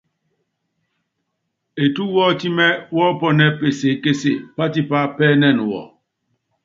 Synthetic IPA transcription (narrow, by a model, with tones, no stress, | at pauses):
e˨tu˦wɔ˦ti˦mɛ˦wɔ˦pɔ˦nɛ˦pe˨se˨ke˦se˦˨pa˦ti˦pa˦pɛː˦nɛ˦˨nu˨wɔ̰˨